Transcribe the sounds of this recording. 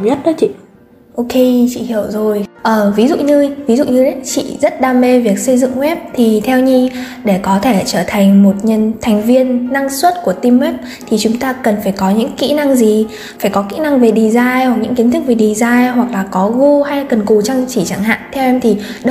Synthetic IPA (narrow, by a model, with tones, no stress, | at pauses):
ɲə˦˥t̚ɗɔ˨˦t͡ɕḭ˧˨ | ʔo˧ke˧t͡ɕḭ˧˨hi˧˩əwzo˨˩jʔəː˨˩vi˨˦zṵ˧˨ɲɨ˧vi˨˦zṵ˧˨ɲɨ˧ə˨˦t͡ɕḭ˧˨zə˦˥t̚ɗaː˧˩me˧vi˨˩ək̚sə˧jzɨ̰˧˨ŋwɛ˦˥p̚t̪ʰi˨˩t̪ʰɛ˧wɲi˧ɗe˧˩kɔ˨˦t̪ʰe˧˩t͡ɕəː˧˩t̪ʰa˨˩jŋ̟mo˨˩t̚ɲə˧˩nt̪ʰɛ˨˩jŋ̟vi˧ənːa˧ŋswə˦˥t̚ku˧˩ət̪i˧mːɛ˦˥p̚ | t̪ʰi˨˩t͡ɕʊ˨˦ŋ͡mt̪aː˧kə˨˩nfaː˧˩jkɔ˨˦ɲɨ̰˧˥ŋkḭ˧˥na˧ŋzi˨˩ | faː˧˩jkɔ˨˦kḭ˧˥na˧ŋve˨˩ɗi˨˩zaː˧jhwa˨˩k̚ɲɨ̰˧˥ki˨˦nt̪ʰɨ˦˥k̚ve˨˩ɗi˨˩zaː˧jɦwa˨˩k̚laː˨˩k̚kɔ˨˦ɣu˧ha˧jkə˨˩nku˨˩t͡ɕa˧ŋt͡ɕi˧˩t͡ɕa˧˩ŋɦa̰ː˧˨nt̪ʰɛ˧wʔɛ˧mt̪ʰi˨˩ | ɗə˧